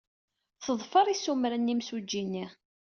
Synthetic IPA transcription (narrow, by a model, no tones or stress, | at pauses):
θəðˤfəɾˤisumɾænːimsud͡ʒːinːiʁ